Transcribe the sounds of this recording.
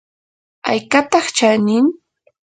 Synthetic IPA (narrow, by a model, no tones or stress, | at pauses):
a̰jkat̪ɑχt͡ʃanɪŋ